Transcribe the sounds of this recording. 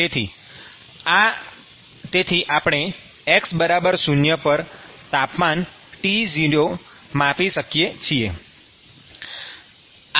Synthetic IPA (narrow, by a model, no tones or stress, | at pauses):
et̪ʰi | a | t̪et̪ʰiʔapɽ̃e | eksbəɾabəɾsunjəpəɾt̪apman | ʈid͡ʒiɖo | mapiʃəkijet͡ʃʰie